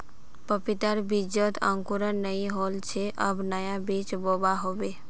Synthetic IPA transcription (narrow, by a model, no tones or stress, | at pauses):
pəpit̪əɾbid͡ʒət̪ə̰̃ŋkuɾənːəĩɦoːlt͡ʃʰeʔəbnəjabiːt͡ʃboːbaɦobe